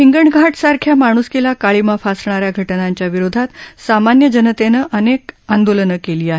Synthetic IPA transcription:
ɦiŋɡəɳɡʱaʈsaɾkʰjamaɽ̃uskelakaɭimafasɳaɾjaɡʱəʈnaɲt͡ɕjaʋiɾod̪ʱat̪samanjəd͡ʑənət̪enəʔənekãnd̪olənəkeliːaɦe

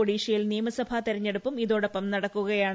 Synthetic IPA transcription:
oɽiːɕɐjilniːmɐsɐbʱat̪iɾɐɲːeɽupːumiðo̞ːɽɐpːɐmnɐɽɐkːuɣɐjaːɳ

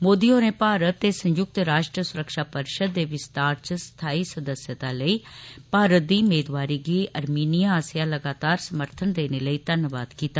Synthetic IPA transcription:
moːd̪iːoːneːpaːɾət̪ːeːsə̃ɲjʊk̚t̪ɾaːʃʈɾəsʊɾəkʃaːpəɾɪʃəd̪ːeːʋɪst̪aːɾt͡ʃəst̪ʰaːiːsəd̪əsjət̪ãːləiːpaːɾət̪̚d̪iːʊmeːd̪ʋaːɾiːɡiːəɾmiːnijaaːsɪjaːləɡaːt̪aːɾsəməɾt̪ʰənd̪eːneləiːt̪ənʋaːd̪kiːt̪aː

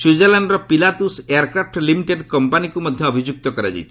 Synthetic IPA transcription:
sud͡ʒelanɖɾɔpilat̪useaɾkɾap̚ʰʈlimiʈeɖkɔmpanikumɔd̪ʱjɔːbʱid͡ʒuk̚t̪ɔkɔɾad͡ʒa̰jtt̪ʰi̥

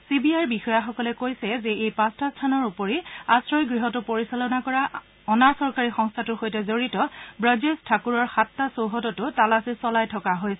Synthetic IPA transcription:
sibiaɹbixɔjaxɔkɔlɛkojsɛzɛejpastʰastʰanɔɹupoɹiasɹɔjɡɹiɦɔtʊpoɹisalɔnakɔɹa | ɔnasɔɹkaɹixɔŋstʰatʊxojtɛzoɹitɔbɹad͡ʒestʰakuɹɔɹxatːasowɦɔtɔtʊtalasisɔlajtʰɔkaɦojsɛ

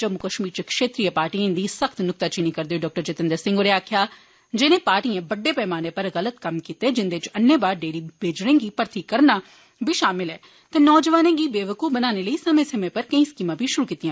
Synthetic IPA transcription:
d͡ʒəmːʊkəʃmiːɾt͡ʃəkʃeːt̪ɾiːəpaːɾʈiẽnd̪iːsəkʰt̪nʊk̚t̪aːt͡ʃiniːkəɾd̪eoːɖɔːk̚ʈəɾt͡ʃet̪ə̃nd̪əɾsɪ̃ŋɡoːɾeaːkʰjaː | d͡ʒɪnẽːpaːɾʈiãːbəɖːeːpɛːmaːneːpəɾɣələt̪kəmkiːt̪eːd͡ʒɪnd̪eːt͡ʃənːeːbaːɾɖeːɾiːbʱeːd͡ʒɾẽːɡiːpəɾt̪iːkəɾnaː | bʱiːʃaːmɪlɛː | t̪eːnɔːd͡ʒəʋaːnẽːɡiːbeːʋəkoːbənaːneːləiːsəmẽːsəmẽːpəɾkə̃ĩːskiːmãːbʱiːʃʊɾuːkiːt̪ːijãː

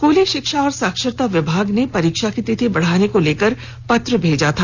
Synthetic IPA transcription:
koːleʃɪkʃaɔːɾsaːkʃɪɾt̪aʋɪbʱaːɡnepɐɾiːkʃakit̪ɪt̪ʰibɐɽ̤aːnekoleːkəɾ | pɐt̪ɾəbʱeːd͡ʒat̪ʰaː

